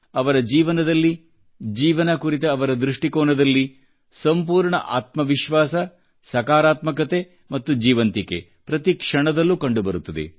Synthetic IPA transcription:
ɐʋɐɾɐd͡ʒiːʋɐnɐd̪ɐlːi | d͡ʒiːʋɐnɐkuɾit̪ɐːʋɐɾɐd̪ɾuʂʈikoːnɐd̪ɐlːi | sɐmpuːɾɳɐ̰ʔa̰ːt̪mɐʋiʃʋaːsɐ | sɐkaːɾaːt̪mɐk̬ɐt̪e | mɐt̪ːud͡ʒiːʋɐnt̪ikḛ | pɾɐt̪ikʂɐɳɐd̪ɐlːukɐɳɖubɐɾut̪ːɐd̪ḛ

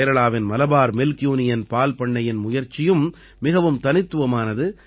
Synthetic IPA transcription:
ɾɐɭaːʋɪnmɐlɐbaːɾmɪlkjuːnɪjɐnpaːlpɐɳːɐjɪnmʊjɐɾt͡ʃːɪjɯm | mɪɣɐʋɯmt̪ɐnɪt̪ːɯʋɐmaːnɐðɯ

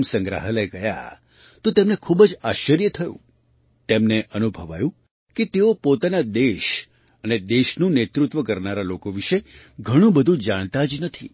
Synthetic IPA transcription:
msə̃ŋɡɾa̰ɦələɡəja̰ | t̪ot̪emnekʰubəd͡ʒaʃəɾjət̪ʰəjṵ̃ | t̪emneʔənubʱəʋajũ | ket̪eopot̪anad̪eʃ | əned̪eʃnũnet̪ɾut̪ʋəkəɾnaɾalokoʋiʃe | ɡʱəɽ̃ũbəd̪ʱũd͡ʒaɽ̃t̪ad͡ʒnət̪ʰi

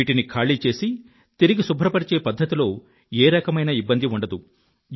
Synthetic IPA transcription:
iːʈinikʰaːɭiːt͡ʃe̞ːsi | t̪iɾiɡisubʱɾɐpɐɾit͡ʃe̞ːpɐd̪ːɐt̪ilo̞ː | eːɾɐkɐmɐjnɐibːɐnd̪iuɳɖɐd̪u

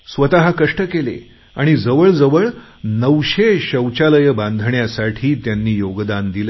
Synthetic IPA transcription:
sʋət̪aɦakəʂʈəkelḛ | aɽ̃id͡zəʋəɭd͡zəʋəɭ | nəʋɕeɕəwt͡ɕaləjəbãnd̪ʱɳjasaʈʰiːt̪janːiːjoɡd̪and̪il

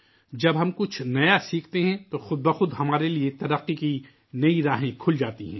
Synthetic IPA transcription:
d͡ʒɐbɦɐmkʊt͡ʃʰnɐjasiːkʰt̪eɦɛ̃t̪oxʊd̪̚bɐxʊd̪ɦɐmaːɾeliet̪ɐɾəqːiki | nɐiɾaːɦẽkʰʊld͡ʒaːt̪iɦɛ̃ː

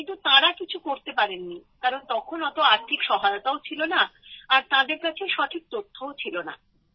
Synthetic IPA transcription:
kint̪ut̪ãɾakit͡ɕʰukoɾt̪epaɾenːikaɾont̪ɔkʰonɔt̪oaɾt̪ʰikʃɔɦajot̪aot͡ɕʰilonaːɾt̪ãd̪eɾkat͡ɕʰeʃɔʈʰik̚t̪ot̪ʰːoot͡ɕʰilona̰

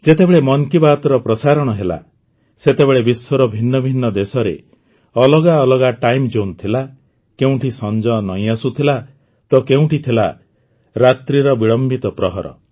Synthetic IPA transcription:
d͡ʒet̪ebeɭemɔŋkibat̪ɔɾɔpɾɔsaɾɔɽ̃ɔɦela̰ | set̪ebeɭebiswɔɾɔbʱinːɔbʱinːɔd̪esɔɾḛ | ɔlɔɡaɔlɔɡaʈajmd͡ʒont̪ʰila | keũʈʰisɔnd͡ʒɔnɔj̃asut̪ʰila | t̪ɔkeũʈit̪ʰila̰ | ɾat̪ɾiɾɔbiɭɔmbit̪ɔpɾɔɦɔɾɔ̰

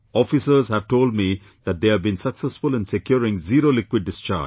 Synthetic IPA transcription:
ɔːfisəɾzhæʋʈoːlɖ̚mi | d̪̥æʈ̚d̪eːæʋbĩnsəksɛsfʊlɪ̃nsekjɔːɾɪ̃ŋziːɾoːlɪkwɪɖ̚ːɪst͡ʃa̰ː

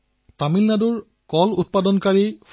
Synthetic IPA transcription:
tamilnaduɹ | kɔlut̚padɔnkaɹif

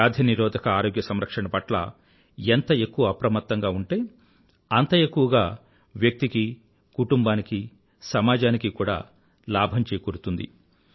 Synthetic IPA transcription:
aːd̪ʱjɐniɾɔːd̪ʱɐkɐaːɾoɡjɐsɐmɾɐkʂɐɳɐpɐʈlɐ̰ | ent̪ɐe̞kːuʋɐɐpɾɐmɐt̪ːɐŋɡaːuɳʈe̞ː | ɐnt̪ɐe̞kːuʋɐɡaː | ʋjɐk̚t̪iki | kuʈumbaːniki | sɐmaːd͡ʒaːnikikuːɽa̰ː | laːbʱɐmt͡ʃeːkoɽut̪und̪ḭ

